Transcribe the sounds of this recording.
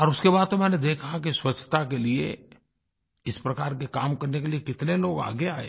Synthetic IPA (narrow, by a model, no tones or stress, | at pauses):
ɔːɾʊskebaːd̪̚t̪omɛ̃ːned̪eːkʰak̬iswɐt͡ʃʰːt̪akeliḛ | ɪspɾɐkaːɾkekaːmkɐɾnekeliekɪt̪neloːɡa̰ːɡeaːɦḛː